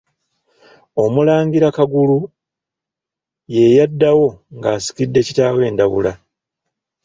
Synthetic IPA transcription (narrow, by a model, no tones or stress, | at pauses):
o̞mulaːŋɡiɾakaɡulu | je̞jadːawo̞ŋɡaːsi̥kidːe̞ːcitaːwe̞ːndaβṵla